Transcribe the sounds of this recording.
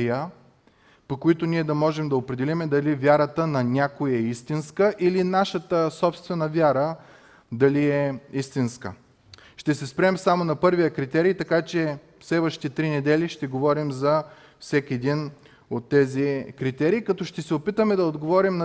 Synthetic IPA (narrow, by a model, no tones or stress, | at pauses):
jə | pokoit̪oniɛd̪ɐmɔʒɛmd̪ɐopɾɛd̪ɛlimɛd̪ɐlivʲjaɾət̪ənɐnʲakojɛist̪inskəʔilinaʃət̪əsɔpst̪vɛnəvʲjaɾə | d̪ɐliɛist̪inskə̰ | ʃt̪ɛsɛspɾɛmsamonɐpɤɾvijəkɾit̪ɛɾiːt̪ɐkat͡ʃɛ | fslɛvəʃi̥t̪ɛt̪ɾinɛd̪ɛliʃt̪ɛɡovɔɾimzɐ | fsɛkʲiɛd̪in | ot̪ːɛzikɾit̪ɛɾiːkɐt̪ɔʃt̪ɛsɛopit̪əmɛd̪ɐod̪ɡovɔɾimnɐ